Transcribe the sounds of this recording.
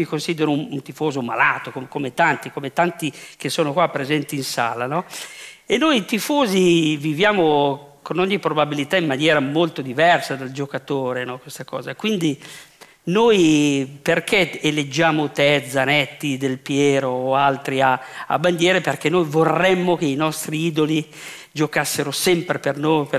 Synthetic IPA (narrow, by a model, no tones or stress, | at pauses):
mikonsid̪eɾonunt̪ifoːzomalaːt̪okokomet̪ant̪ikomet̪ant̪ikesoːnokwapːɾezɛnt̪iːnsa̰ːlanɔenːojt̪ifoːzivivjaːmokonɔɲːipɾobabilit̪aimːanjɛːɾamolt̪od̪ivɛrsad̪eld͡ʒokat̪oːɾenɔkwest̪akɔ̰ːzakwind̪i | nojperk̟eeled͡ʒːaːmot̪ɛd̪zːanɛt̪ːid̪elpjɛːɾoːalt̪ɾiaa̰bːand̪jɛːɾeperk̟enːojvorːɛmːok̟einɔst̪ɾiiːd̪oli | d͡ʒokasːeɾosɛmpɾepernojp